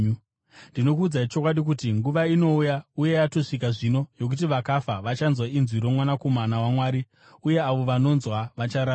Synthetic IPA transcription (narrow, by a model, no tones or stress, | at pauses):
ndino̞kuːd͡zait͡ʃo̞kwaɗik̬utiŋɡuʋaino̞ujauje̞jato̞ʂik̬aʐino̞jo̞k̬ut̬iʋakafaʋat͡ʃanzwainzwiɾo̞mwanakomanawamwaːɾi | uje̞aʋo̞ʋano̞nzwaʋat͡ʃaɾa